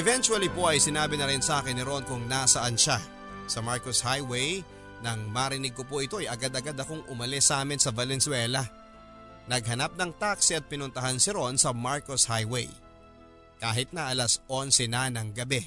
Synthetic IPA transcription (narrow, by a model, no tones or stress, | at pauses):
ʔɛvɛnt͡ʃuwɐlipo̞ʔɐjsɪnaːbɪnɐɾɪnsɐʔaːkɪnːɪɾo̞nkʊŋnasɐʔɐnʃa | sɐmaɹkoshajwej | nɐŋmaɾɪnɪɡ̚ko̞poʔɪt̪o̞ɐjɐɡad̪ɐɡad̪ɐkoŋʔʊmɐlɛsʔaːmɪnsɐvɐlɛnsʊwɛlɐ | nɐɡ̚ɦɐnap̚nɐŋt̪aksiɐt̪̚pɪnʊnt̪ɐɦansɪɾo̞nsɐmaɹkoshajwej | kaːɦɪt̪̚nɐʔɐlɐsʔo̞nsɛnanɐŋɡɐbɛ